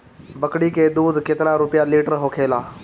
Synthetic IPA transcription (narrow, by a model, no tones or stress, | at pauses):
bɐkɽikeːd̪uːd̪ket̪ɪɾãɾʊpjaliːʈəɾɦoːkʰeːlaː